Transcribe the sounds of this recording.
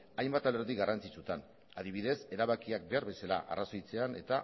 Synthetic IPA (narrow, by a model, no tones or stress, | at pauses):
ajmbat̪aleɾðiɣarʔant͡sit͡sut̪an | aðiβ̞iðe̞se̞ɾaβakiak̚be̞aɾβe̞sala̰ʔa̰raso̞jt͡se̞ane̞t̪a